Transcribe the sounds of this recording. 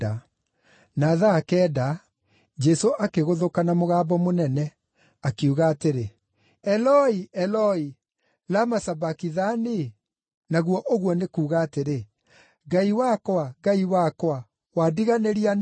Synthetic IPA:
a | naðaːkɛːda | d͡ʒɛsoʔakeɣoðokanamoɣaːbɔmonɛnɛ | akeuɣaːteɾe | ɛlɔiɛlɔi | lamasabakiðane | naɣwɔʔoɣwɔnekuːɣaːteɾe | ɡaiwakwaɣaiwakwa | wadiɣaneɾian

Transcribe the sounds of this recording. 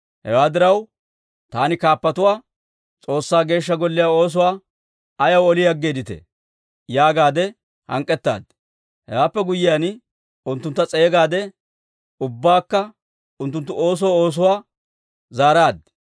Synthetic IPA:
hɛ̰waːd̪ɪɾɐw | t̪aːnɪkaːpːɐt̪ʊwaː | t͡sʼo̞ːsːaːɡe̞ːʃːɐɡɔlːɪjaːo̞ːs̬ʊwaː | ɐjɐwɔlɪjɐɡːeːd̪ɪt̪ɛ̰ | jaːɡaːd̪ɛ | hɐ̰ŋkʼɛt̪ːa̰ːd̪ | hɛ̰waːpːɛɡʊjɪjaːn | ʊnt̪ːʊnt̪ːɐt͡sʼe̞ːɡaːd̪ɛ | ʊbːaːkːɐ | ʊnt̪ːʊnt̪ːʊʔo̞ːs̬ɔwo̞ːs̬ʊwaː | zaːɾaːd̪

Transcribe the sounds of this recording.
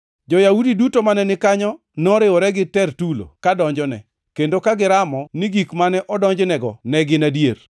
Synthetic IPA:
d͡ʒɔjaudidutomanɛnɪkaɲɔ | nɔɾɪwɔɾɛɡɪtɛrtulo̰kadɔɲd͡ʒɔnɛ̰ | kendokaɡɪɾamɔniɡikmanɛʔɔdɔɲd͡ʒnɛɡɔnɛɡɪnadjer

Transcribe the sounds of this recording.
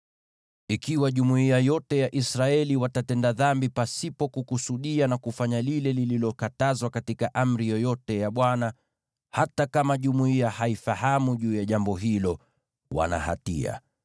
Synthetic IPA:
ikiwaʄumuiajɔtɛjaʔisɾaɛliwatatɛndaðambipasipɔkukusuɗianakufaɲalilɛlililɔkatazwakatikaʔam̩ɾijɔjɔtɛjaɓwana | hatakamaʄumuiahaifahamuʄuːjaʄambɔɦilɔ | wa̰na̰ha̰tḭa̰

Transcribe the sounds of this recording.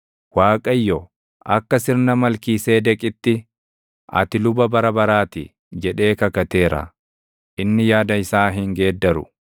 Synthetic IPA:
waːkʼɐjːɔ | ʔɐkːɐsɪɾnɐmɐlkiːse̞ːd̪ɛkʼɪt̪ːɪ | ɐ̰t̪ɪlʊbɐbɐɾɐbɐɾaːt̪ɪ̰ | d͡ʒɛᶑe̞ːkɐkɐt̪e̞ːɾɐ̰ | ʔɪnːɪjaːd̪ɐɪsaːɦɪŋɡe̞ːd̪ːɐɾʊ̰

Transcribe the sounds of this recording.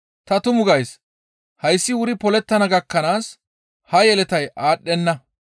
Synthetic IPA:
t̪ɐt̪ʊmʊɡɐjs | hɐjsːɪwʊɾɪpɔlɛt̪ːɐnɐɡɐkːɐnaːs | hɐjɛlɛt̪ɐjʔaːɗːɛnːɐ

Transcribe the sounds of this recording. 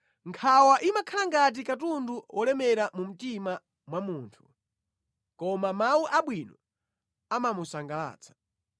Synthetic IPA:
ŋkʰawaʔimakʰalaŋɡat̬ikat̬unduwʔɔlɛmɛɾamum̩tima | mwamuːntʰu̥ | kɔmamawuʔaɓwinɔ | amamusaŋɡala̰ːt͡sʰḁ

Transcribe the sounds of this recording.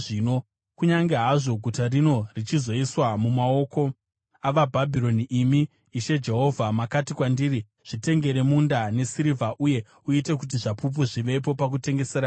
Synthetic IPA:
ʐiːno̞ | kuɲaŋɡe̞ɦaʐo̞ɡʱutarino̞rit͡ʃizo̞iswamumao̞ko̞ | aʋabʱabʱiɾo̞niʔːmiː | ʃe̞d͡ʒe̞ɦo̞vʱamakatikwandiːri | ʐ̥ite̞ŋɡe̞ɾe̞mundane̞siɾivʱaʔuje̞ | uite̞kut̬iʐapup̬uʐiʋe̞p̬o̞pak̬ute̞ŋɡe̞serɾaː

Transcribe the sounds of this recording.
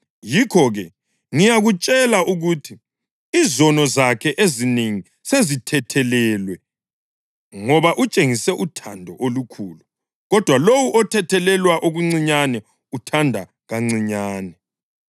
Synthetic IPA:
jikʰɔɣɛ | ŋijaɣut͡ʃʼɛlaʔuɣutʰi | izɔnɔzakʰɛʔezineŋi | sezitʰɛtʰɛlɛlwɛ | ŋɔβaʔut͡ʃʼeŋisɛʔutʰandʱɔʔolukʰuːlu | ɣɔd̥ʱwalowuʔɔtʰɛtʰɛlɛlwaʔoɣuŋ͡ǀiɲanɛ | utʰandʱa | ɣaŋ͡ǀiɲaːnɛ

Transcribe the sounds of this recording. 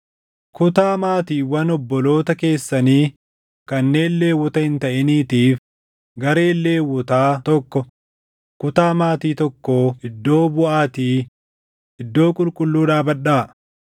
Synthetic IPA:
kʊt̪aːmaːt̪iːwɐnɔbːɔlo̞ːt̪ɐke̞ːsːɐniː | kɐnːe̞ːlːe̞ːwːɔt̪ɐhɪnt̪ɐʔɛniːt̪iːf | ɡɐɾe̞ːlːe̞ːwːɔt̪aːt̪ɔkːɔ | kʊt̪aːmaːt̪iːt̪ɔkːoːɪd̪ːo̞ːbʊʔaːt̪iː | ʔɪd̪ːo̞ːkʼʊlkʼʊlːuːᶑaːbɐᶑaː

